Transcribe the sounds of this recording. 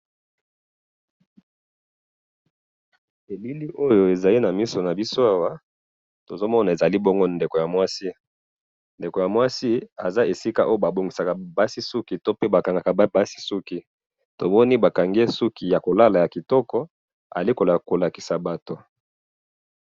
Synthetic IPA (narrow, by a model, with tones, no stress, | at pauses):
e˨li˦li˦ʔo˦jo˦e˨za˨li˦na˨mi˦so˨na˨bi˦so˦a˦wa˦ | to˨zo˦mɔ˦na˨e˨za˨li˦bɔ˦ŋɡo˦nde˨ko˨ja˨mwa˦si˦ | nde˨ko˨ja˨mwa˦si˦a˨za˦e˨si˦ka˦ʔo˦jo˦ba˨bo˨ŋɡi˨sa˨ka˨ba˦si˦su˦ki˨to˦pe˦ba˨ka˨ŋɡa˨ka˨˦ba˦si̥˦su˦ki˦ | to˨mɔ˦ni˦ba˨ka˨ŋɡe˦su˦ki˨ja˨ko˨la˦la˨ja˨ki˨tɔ˦kɔ˦ | a̰˨li˦ko˨la˨ko˨la˨ki˨sa˨ba˨to˨